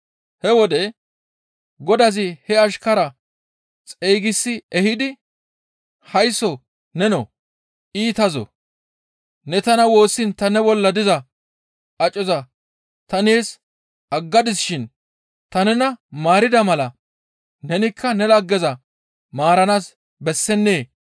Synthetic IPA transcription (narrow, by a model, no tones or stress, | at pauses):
hɛwɔd̪ɛ | ɡɔd̪ɐzɪhɛɐʃkɐɾɐ | t͡sʼejɡɪsːɪɛhɪd̪ɪ | hɐjsːɔ | nɛnɔ̰ | iːt̪ɐzɔ̰ | nɛt̪ɐnɐwo̞ːsːɪnt̪ɐnɛbɔlːɐd̪ɪzɐ | ʔɐt͡ʃʼːɔzɐ | t̪ɐneːs | ʔɐɡːɐd̪ɪsɪʃɪn | t̪ɐnɛnɐmaːɾɪd̪ɐmɐlɐ | nɛnɪkʰːɐnɛlɐɡːɛzɐ | maːɾɐnaːs | bɛsːɛnːeː